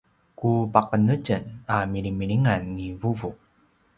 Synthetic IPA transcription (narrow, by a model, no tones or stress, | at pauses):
kupaqənuɟənamiɾimiɭiŋanːivuvu